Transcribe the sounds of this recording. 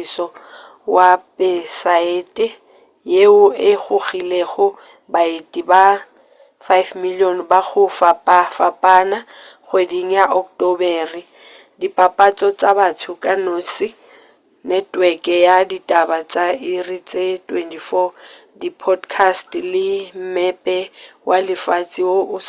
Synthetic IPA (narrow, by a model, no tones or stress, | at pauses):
sɔ | wapɛsaeːtʼɛ | jeʊɪɣʊɣileɣʊ | baitʼiba | fajfmiliɔnbaɣʊfapʼafapʼanaɣwediŋ̩jaʔɔk̚tʼɔbɛri | dipʼapʼat͡sʼɔt͡sʼabatʰʊkʼanoːsɪ | nɛtʼwɛkʼɛjaditʼabat͡sʼairit͡sʼetwɛntʰʼifɔ | dipʰɔdkʰastlɪm̩mɛpʼɛwʔalɪfat͡sʼiwoʊ